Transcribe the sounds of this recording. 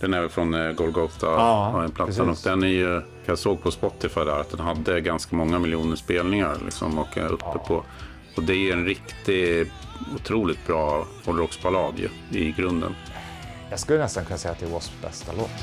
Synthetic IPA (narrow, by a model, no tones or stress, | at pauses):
d̪̥ɛnɛːvɛlfɾɔnɡɔlɡɔt̪ʰaɛnpʰlat̪ənɔkd̪ɛnːæɾjɵ | jasoːɡ̚pʰɔspɔt̪ːɪfajd̪æːɾat̪̚d̪ɛnɦad̪ːəɡanskamɔŋːamɪljuːnəʂpeːlnɪŋa̰ɾlɪ̰ksɔ̰mɔkːɵ̰ppːəpʰɔ | ɔd̪ɛæjɵɛnɾɪkt̪ɪ | ʊt̪ʰɾuːlɪt̪̚bɾɑː | ɔd̪ɾɔksbalɑːd̪jɵ̰ | ɪɡɾɵnd̪ə̰n | jɑskɵlːənɛst̪ankʰɵnasɛjːat̪d̪ɛːwɔsbɛ̰st̪alo̰ːt̪